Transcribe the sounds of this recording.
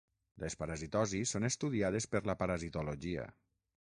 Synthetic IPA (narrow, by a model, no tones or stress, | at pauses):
lespaɾazit̪ɔzisːonest̪uðiað̞espəɾlapaɾazit̪oloʒiə̰